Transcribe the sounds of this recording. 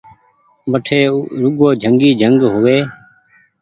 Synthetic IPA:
ʋəʈʰeːɾʊɠoːd͡ʒʱəŋɡiːd͡ʒʱəŋɡɦʊʋeː

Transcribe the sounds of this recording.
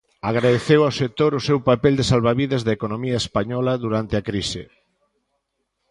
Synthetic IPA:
aɣɾaðeθewawsek̚t̪oɾʊsewpapɛld̪esalβaβiðɐzðaekonõmiɐespaɲɔlɐðuɾant̪eɪakɾisɪ̰

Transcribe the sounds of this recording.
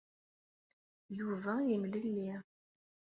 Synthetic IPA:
juvæjimləlːi

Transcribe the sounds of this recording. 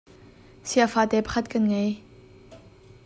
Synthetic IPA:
siafaːt̪ɛpχʰat̪̚kɐnŋɛj

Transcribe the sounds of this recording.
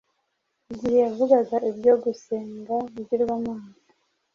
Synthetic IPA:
iɟiheavuɡaɡaʔibɟo̞ɡuseːŋɡaβiɟiɾɡwamaːza

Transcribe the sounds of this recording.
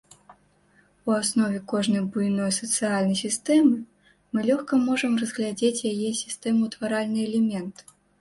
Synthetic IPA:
uasnɔvʲɛkɔʐnɐjbujnɔjsɐt̪sɨjalʲnɐjsʲist̪ɛmɨ | mɨlʲɔxkɐmɔʐɐmrɐzɣlʲad͡zʲet͡sʲjajɛsʲi̥st̪ɛmut̪vaɾalʲnɨɛlʲɛmʲɛnt̪

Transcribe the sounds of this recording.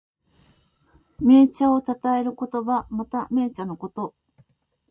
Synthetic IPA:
me̞ːt͡ɕao̞t̪at̪ae̞ɾɯ̟ko̞t̪o̞bamat̪ame̞ːt͡ɕano̞ko̞t̪o̞

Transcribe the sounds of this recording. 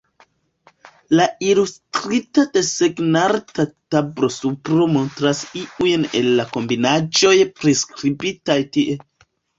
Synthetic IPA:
lailustɾitadeseɡnaɾtatabɾo̞supɾomo̞ntɾasiujne̞lːako̞mbinad͡ʒo̞jpɾeskɾibitajtiʔe̞

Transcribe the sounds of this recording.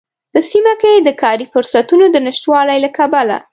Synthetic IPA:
p̪əsimakajd̪əkʰɑɾifʊɾsat̪unod̪ənɪʃt̪wɑlajlakabala̰

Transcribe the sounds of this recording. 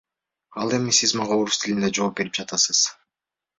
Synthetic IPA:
ɑlˠe̞misizmɑʁɑo̞ɾust̪ʰilind̪ed͡ʒo̞ːp̚be̞ɾip̚d͡ʒɑt̪ɑsɯz̥

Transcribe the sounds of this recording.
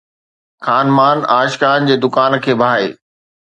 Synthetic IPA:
xaːnmaːnaːʃkaːnd͡ʑeːd̪ʊkaːnkʰeːbʱaːḛː

